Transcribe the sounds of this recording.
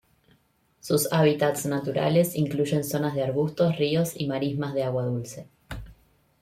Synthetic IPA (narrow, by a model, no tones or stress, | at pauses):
susaβit̪at̪snat̪uɾa̰le̞siŋkluʒe̞nso̞nazðeaɾɣust̪osrio̞simaɾizmazðeaɣwaðulse̞